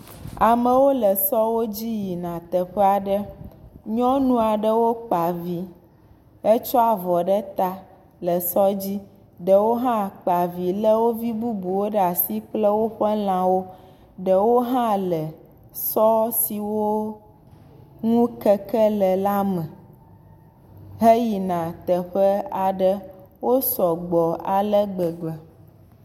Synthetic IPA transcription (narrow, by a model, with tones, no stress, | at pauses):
a˨mə̃˨wo˦lə˨sɔ˦wo˦d͡ʑi˦ji˨nã˨t̪ə˨ɸɛ˦a˨ɖə˦ɲɔ̃˦nũ˦a˨ɖə˦wo˦k͡pa˨vi˦ | ɛ˦t͡ʃɔ˦a˨vɔ˨ɖɛ˦t̪a˦ | lə˨sɔ˦d͡ʑi˦ | ɖə˨wo˦ɦã˦k͡pa˨vi˨lə˦wo˦vi˦bu˦bu˨wo˦ɖa˨si˦k͡plə˦wo˦ɸə˦l̃ã˨wo˦ | ɖə˨wo˦ɦã˦lɛ˨ | sɔ˦si˨wo˦ | ŋũ˦kɛ˦kɛ˦lɛ˨la˦mɛ̃˨ | ɦe˦ji˨nã˨t̪ɛ˨ɸɛ˦a˨ɖə˦wo˦sɔ˨ɡ͡bɔ˨a˨lɛ˦ɡ͡bɛ˨ɡ͡bɛ˨